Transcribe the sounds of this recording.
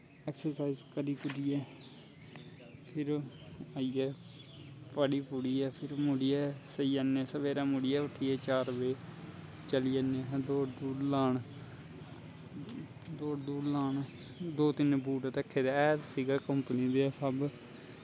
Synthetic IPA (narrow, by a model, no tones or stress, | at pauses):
ɛːksəɾsaːizkəɾiːpʊɽiːɛː | pʰɪɾaːiːɛː | pəɽiːpʊɽiːɛːpʰɪɾmʊɽiːɛːsəiːaːnɛːsəʋeːɾaːmʊɽɪjɛːʋəʈʰiːɛːt͡ʃaːɾʋeː | t͡ʃəliːanɛːd̪oːd̪uːɾlaːɳ | d̪oːɽd̪uːɾlaːɳ | d̪oːt̪ɪnbuːʈːt̪əkʰːeːt̪aːt̪siːɡaːkəmpənid̪eːɛːsəb